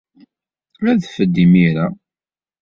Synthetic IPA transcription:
æðfəd̪ːimiɾa

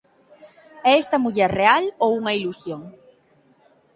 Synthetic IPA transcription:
ɛest̪ɐmuʎɛɾrealowuŋɐilusjoŋ

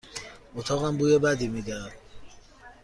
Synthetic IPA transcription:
ot̪ʰɒːɣæmbuːjebæd̪imiːd̪ed̪

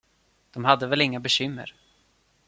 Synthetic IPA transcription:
d̪̥ɔmhad̪ːəvɛlɪŋːabɛɕʏmːə̰ɾ

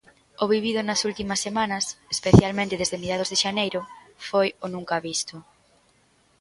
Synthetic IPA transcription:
oβiβ̞iðʊnɐsult̪imɐsːemanɐsespeθjalmẽnt̪eðezðemiɾjaðozðeʃanejɾʊfojonũŋkaːβist̪ʊ

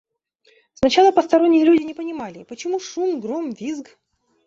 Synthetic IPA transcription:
snɐt͡ɕalˠəpəst̪ɐɾonʲːɪjəlʲudʲɪnʲɪpənʲɪmalʲɪpət͡ɕɪmuʂumɡɾomvʲizɡ

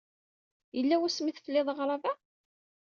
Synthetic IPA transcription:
jəlːæwæsmiθfəlːɪðˤəʁɾˤɑvæ

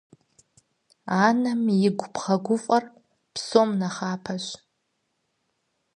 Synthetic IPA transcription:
anamiɡʷpʰχaɡʷʊfʼar | pʰsomnaχaːpʰaʃʷ

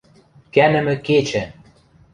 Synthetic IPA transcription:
kænɘ̆mɘ̆ket͡ɕɘ̆

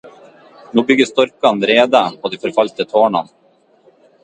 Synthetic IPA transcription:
nuːbʏɡːəst̪ɔɾkanɾeːd̪aɔd̪ɛfœɾfalt̪ət̪ʰoːɳan

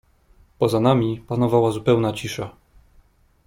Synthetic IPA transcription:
pɔzanamʲipanɔvawazupɛwnat͡ɕiʂa

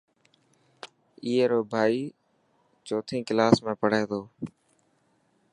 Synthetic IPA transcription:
iːɦeːɾoːbʱaːiː | t͡ʃoːt̪ʰĩːkɪlaːsmẽːpəɽ̤ẽːd̪oː

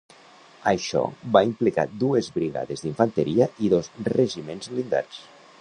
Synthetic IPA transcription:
aʃɔ̰βaimplika̰d̪uezβɾiɣa̰ðezðiɱfant̪eɾiaʔiðozreʒimenzlind̪a̰s

